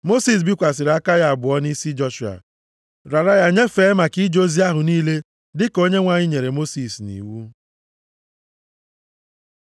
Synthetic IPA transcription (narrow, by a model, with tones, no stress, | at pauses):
mo˦si˨s̬bi˦kʷa˨s̬ɪ˨ɾa˦ka˦ja˦a˨bʊ˨ɔ˦ni˦si˦d͡ʒɔ˦ʃu˨a̰˨ | ɾa˨ɾa˦ja˦ɲe˦fe˨˦ma˨ki˦d͡ʒo˦zi˦a˦ɦʊ˨niː˦le˦ | dɪ˦ko˦ɲe˦ŋʷa˦ɲi˦ɲe˨ɾe˨mo˦si˨snḭ˨wu˦